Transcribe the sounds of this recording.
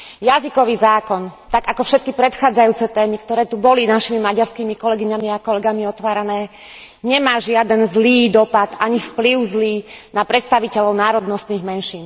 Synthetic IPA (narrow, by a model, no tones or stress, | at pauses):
jazikɔʋiːzaːkɔnt̪aɡakɔfʃɛt̪̚kipɾɛt̪xaːd͡zajuːt͡sɛt̪ɛːmikt̪ɔɾɛːt̪ubɔlinaʃimimaɟaɾskiːmikɔlɛɡiɲamiakɔlɛɡamiɔt̪ʋaːɾanɛː | ɲɛmaːʒɪad̪ɛnzliːd̪ɔpad̪aɲifpliʊzliːnapɾɛt̪st̪aʋicɛlɔʊnaːɾɔd̪nɔst̪niːɣmɛnʃiːn